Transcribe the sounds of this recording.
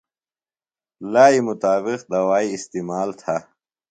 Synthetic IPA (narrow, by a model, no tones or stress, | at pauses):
laːimʊt̪aːbiqd̪ɐwaːiːst̪iːmaːlt̪ʰa